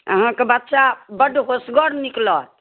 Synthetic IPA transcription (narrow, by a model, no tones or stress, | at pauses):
ə̰ɦãkebət̪ːt͡ʃabəɖɦosɡɔɽniklət̪